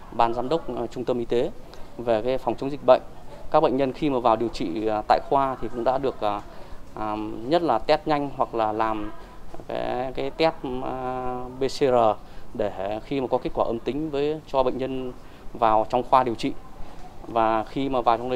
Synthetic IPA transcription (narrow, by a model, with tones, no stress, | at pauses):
ɓaː˧˩nzaː˧mɗə˦˥wk͡p̚t͡ɕʊ˧ŋ͡mt̪ə˧mʔi˧t̪e˨˦ve˨˩kaː˨˦jfɔ˨˩wŋ͡mt͡ɕə˨˦ŋ͡mzi˨˩k̚ɓə̰˧˨ŋ̟kaː˦˥k̚ɓə̰˧˨ŋ̟ɲə˧nxi˧maː˨˩vaː˨˩wɗi˨˩əwt͡ɕḭ˧˨˩t̪a̰ː˧˨jxwaː˧t̪ʰi˨˩kʊ̰˧˥ŋ͡mɗa̰ː˧˥ɗɨ˨˩ək̚ː | ɲə˦˥t̚laː˨˩t̪ɛ˦˥t̚ɲa˧jŋ̟ɦwa˨˩k̚laː˨˩laː˨˩mka̰ː˨˦jkaː˨˦jt̪ɛ˦˥t̚ | ɓe˧se˧zəː˨˩ɗe˧˩xi˧maː˨˩kɔ˨˦ki˦˥kwaː˧˩ʔə˧mt̪ï˨˦ŋ̟vəː˨˦jt͡ɕɔ˧ɓə̰˧˨jŋ̟ɲə˧n | vaː˨˩wt͡ɕɔ˧wŋ͡mxwaː˧ɗi˨˩əwt͡ɕḭ˧˨ | vaː˨˩xi˧maː˨˩vaː˨˩wt͡ɕɔ˧wnə˧